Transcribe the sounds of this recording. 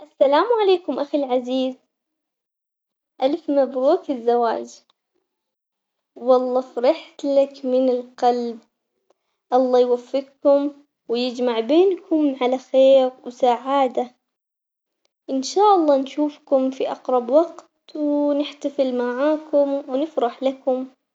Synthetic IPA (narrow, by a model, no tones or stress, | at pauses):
ʔasːalaːmʕaleːkʊmʔaxilʕaziːz | ʔalfmabɾuːθɪzːawa̰ːd͡ʒ | wɑlˤːɑːfɾɪħt̪lakmɪnɪlqɑlb̚ | ʔɑlˤːɑːjwafːɪq̚kʊm | wjɪd͡ʒmaʕbeːnkʊmʕalaxeːɾwsaʕaːd̪a | ʔɪnʃaːʔɑlˤːɑːnʃuːfkʊmfiʔɑqɾˤɑbwɑɡt̪wnɪħt̪afɪlmaʕaːkʊmwnɪfɾɪħlakʊm